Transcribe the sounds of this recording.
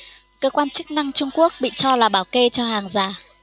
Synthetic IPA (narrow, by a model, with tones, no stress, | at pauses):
kəː˧kwaː˧nt͡ɕɨ˦˥k̚na˧ŋt͡ɕʊ˧ŋ͡mku˦˥ək̚ɓḭ˧˨t͡ɕɔ˧laː˨˩ɓaː˨˩wke˧t͡ɕɔ˧haː˨˩ŋzaː˨˩